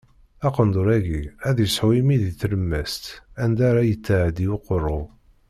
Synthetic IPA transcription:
ɑqənd̪oɾæʝiæðjəsħwimiðiθləmːæst̪ænd̪aɾajət͡sːaʕəd̪iwoqərˤːʊ

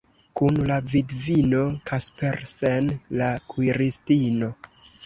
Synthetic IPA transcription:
kunlavidvino̞kʰaspeɾsenlakuiɾistino̞

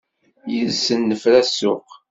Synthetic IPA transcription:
jəlsənːəfɾæsʊq

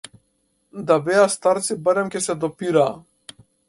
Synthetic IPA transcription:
d̪abɛast̪aɾt̪sibaɾɛmkʲɛsɛd̪ɔpiɾaː

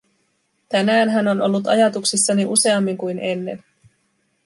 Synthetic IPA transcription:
t̪ænæːnɦæno̞no̞̰lːut̪ɑ̰jɑt̪uksisːɑniʔuse̞ɑmːiŋkujne̞nːe̞̰n

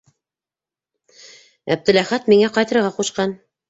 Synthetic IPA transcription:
æ̰b̚d̪ɘ̆læχæt̪miŋæqɑjt̪ɤ̆ɾɤʁɑquʃqɑn

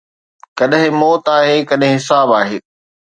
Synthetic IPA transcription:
kɐɗɦɪ̃mɔːt̪aːɦeːkɐɗɦɪ̃ɦɪsaːbaːɦeː

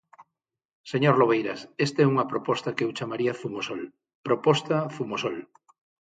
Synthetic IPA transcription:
seɲoɾloβ̞ejɾasest̪ɛuŋɐpɾopɔst̪ɐkewt͡ʃamaɾiɐθumosol | pɾopɔst̪aθumosol

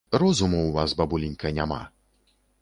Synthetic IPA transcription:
ɾɔzumuwvasbɐbulʲinʲkʰɐnʲama̰

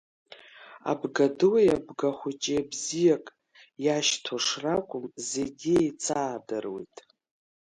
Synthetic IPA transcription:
a̰bɡadɨwajabɡaχʷʊt͡ʃʼijabzijakʼ | jaʃtʰoʂrakʷʼʊmzeɡʲiejt͡sʰaːdɨrwḛjtʼ

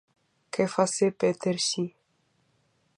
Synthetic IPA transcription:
kefasepet̪eɾɕi

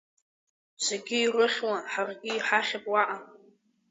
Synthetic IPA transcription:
t͡sʷʰeɡʲɪirɨχʲwanħarɡʲɪiħaχʲapʼwaʔa

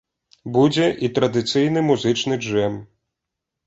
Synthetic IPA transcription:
bud͡zʲɛʔit̪ɾɐd̪ɨt̪sɨjnɨmuzɨt͡ʂnɨd͡ʐʐɛm

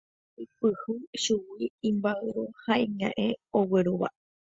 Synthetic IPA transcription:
ipɨhɨʃuwiĩmbaɨɾohaĩɲã̰ʔẽoweɾuβa̰

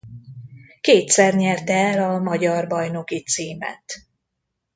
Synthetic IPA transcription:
keːt̪sɛrɲɛrt̪ɛːlɒmɒɟɒrbɒjno̞kit̪siːmɛ̰t̪

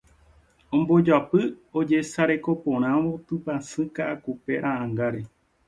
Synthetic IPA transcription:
õmbo̞d͡ʒapɨo̞d͡ʒe̞saɾe̞ko̞põ̞ɾ̃ãʋo̞t̪ɨpasɨ̃kaʔakupe̞ɾʔaʔãŋɡaɾe

